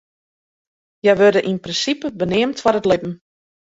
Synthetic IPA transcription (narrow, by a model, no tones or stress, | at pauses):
jɛjʋørdəʔinprɪnsipəbənɪəmtfɔrətlɪbm̩